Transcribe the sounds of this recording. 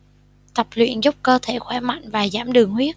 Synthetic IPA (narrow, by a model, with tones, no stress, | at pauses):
t̪ə˨˩p̚lwḭ˧˨ənzʊ˦˥k͡p̚kəː˧t̪ʰe˧˩xwɛː˧˩ma̰˧˨jŋ̟vaː˨˩zaː˧˩mɗɨ˨˩əŋhwi˦˥ət̚